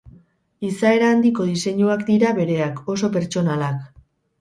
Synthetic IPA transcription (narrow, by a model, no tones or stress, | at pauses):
isae̞ɾaːnd̪iko̞ð̞ise̞ɲuakd̪iɾaβe̞ɾe̞ako̞s̬o̞pe̞ɾt͡ʃo̞nalak